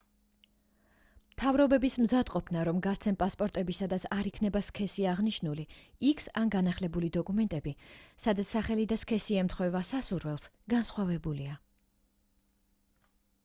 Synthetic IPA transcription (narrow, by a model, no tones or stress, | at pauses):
mt̪ʰavɾɔbɛbismzad̪qʼɔpʰnaɾɔmɡast̪sʰɛnpʼaspʼɔɾt̪ʼɛbisad̪at̪sʰaɾikʰnɛbaskʰɛsiaʁniʃnuliikʰsanɡanaχlɛbulid̪ɔkʼumɛnt̪ʼɛbisad̪at̪saχɛlid̪askʰɛsiɛmt̪ʰχwɛvasasuɾvɛlˠs | ɡ̥ansχwavɛbulia